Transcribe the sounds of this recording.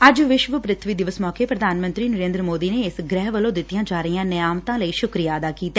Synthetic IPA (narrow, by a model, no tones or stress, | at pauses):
əd͡ʒʋɪʃʋəpɾɪt̪ʰʋiːd̪ɪʋəsmɔːkeːpɾəd̪ʱaːnmə̃nt̪ɾiːnəɾẽːnd̪ɾəmoːd̪iːneːɪsɡɾɛːɦʋəlõːd̪ɪt̪ːijãːd͡ʒaːɾəijãːnəjaːmt̪ãːləiːʃʊkɾijaːəd̪aːkiːt̪aɛː